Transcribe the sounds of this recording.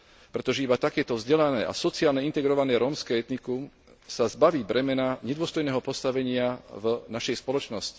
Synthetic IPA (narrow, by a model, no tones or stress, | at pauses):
pɾɛt̪ɔʒɛibat̪akɛːt̪ɔvzɟɛlanɛːʔa̰sɔt͡siaːlɲɛint̪ɛɡɾɔʋanɛːɾɔːmskɛːɛt̪nikum | sazbaʋiːbɾɛmɛnaɲɛd̪ʊɔst̪ɔjnɛːɦɔpɔst̪aʋɛɲɪavnaʃɛjspɔlɔt͡ʃnɔsci̥